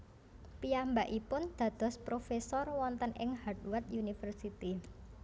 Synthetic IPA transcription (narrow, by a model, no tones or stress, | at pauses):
piambaʔipʊnd̪̥ä̤d̪̥ɔ̤spɾofesɔrwɔnt̪ənʔɪ̰ŋhad̚wat̪junifərsit̪i